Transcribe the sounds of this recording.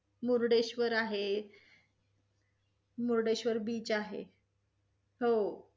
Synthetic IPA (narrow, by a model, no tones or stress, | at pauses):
muɾɖeɕʋəɾaɦe | muɾɖeɕʋəɾbiːt͡saɦḛ | ɦo